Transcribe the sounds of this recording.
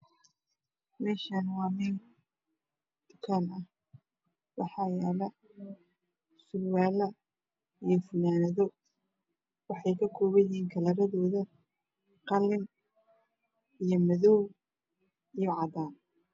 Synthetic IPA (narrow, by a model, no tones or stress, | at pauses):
mɛːʃaːnwɑːmɪn | d̪̥ʊ̥kʰaːnɐh | wɑħɑːjɛːlɐ | sʊlwaːlɐ | ijɞfʊnaːnɐðɔ | wɑħɑjkʰɐkʰɔːβɛjiːŋkʰɐlɐɾɐðɔːðɐ | qɑlɪn | ijɔmɐðɔw | ijɔʕɑd̪aːn